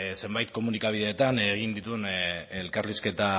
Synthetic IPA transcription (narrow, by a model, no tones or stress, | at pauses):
se̞mbajt̪̚ko̞munikaβ̞iðe̞ːt̪aneɣ̞ind̪it̪unelkaɾliske̞t̪a